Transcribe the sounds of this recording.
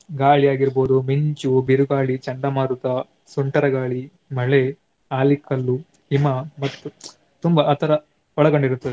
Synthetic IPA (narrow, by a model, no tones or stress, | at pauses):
ɡaːɭijaːɡiɾboːd̪umiɲt͡ʃubiɾuɡaːɭit͡ʃɐɳɖɐmaːɾut̪ɐ | suɳʈɐɾɐɡaːɭi | mɐɭe | aːlikːɐlːu | imɐmɐt̪ːu | t̪umbɐːt̪ʰːɐɾɐ | ɔɭɐɡoɳɖiɾut̪ːɐd̪e